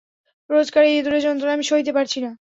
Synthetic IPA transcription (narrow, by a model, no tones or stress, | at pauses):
pɾod͡ʑkaɾed̪uɾed͡ʑɔnt̪ɾoaamiʃoit̪̬epaɾt͡ɕʰina